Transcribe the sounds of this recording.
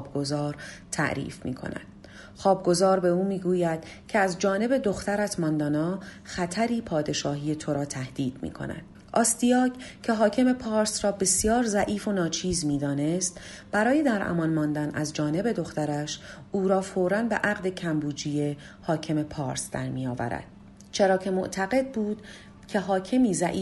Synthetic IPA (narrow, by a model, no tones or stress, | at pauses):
b̚ɡo̞zɒːɾt̪ʰæ̰ʔɾḭːfmḭːkʰo̰næ̰d̪̥ | χɒːb̚ɡo̞zɒːɾbe̞uːmiːɡuːjæd̪̥cʰeæzd͡ʒɒːne̞be̞d̪o̞xt̪æɾæt̪ʰmɒnd̪ɒːnɒː | xæt̪ʰæɾiːpʰɒːd̪e̞ʃɒːɦiːje̞t̪ʰo̞ɾɒːt̪ʰæhd̪̥iːd̪̥mḭːkʰo̰næ̰d̪̥ | ɒːst̪ijɒːcʰcʰe̞ɦɒːcʰe̞mepʰɒːɾsrɒːbe̞sjɒːɾzæʔiːfo̞nɒːt͡ʃʰiːzmiːd̪ɒːne̞st̪b̥æɾɒːje̞d̪æɾʔæ̰mɒnmɒːnd̪ænæzd͡ʒɒːne̞be̞d̪o̞χt̪æɾæʃ | uːɾɒːfoɾænbe̞ʔæɣd̪e̞cʰæmbuːd͡ʒije̞ | hɒːcʰe̞me̞pʰɒːɾsd̪̥æ̰ɾmijɒːvæ̰ɾæ̰d̪̥̚ | t͡ʃʰe̞ɾɒːcʰe̞mo̰ʔt̪ʰæɣe̞d̪̚buːd̪̥ | cʲʰe̞ɦɒːcʰe̞miːzæʔiː